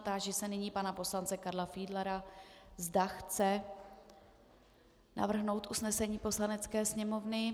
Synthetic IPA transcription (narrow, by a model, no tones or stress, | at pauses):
t̪aːʒisɛnɪɲiːpanapo̞slant͡sɛkaɾlafiːdlaɾazdaxt͡sɛ | na̰vr̩ɦno̞wt̪ʔusnɛsɛɲiːpo̞slanɛt͡skɛːsɲɛmo̞vnɪ